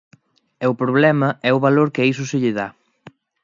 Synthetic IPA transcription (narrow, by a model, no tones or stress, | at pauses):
ɛʊpɾoβlɛmɐɛʊβaloɾkeis̬ʊsɪʎɪða